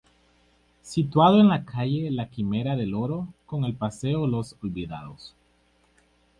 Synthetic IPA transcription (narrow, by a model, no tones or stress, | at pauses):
sit̪waðoenlakʰaʝelakime̞ɾaðe̞lo̞ɾo̞ko̞ŋe̞lpase̞olo̞solβiða̰ðos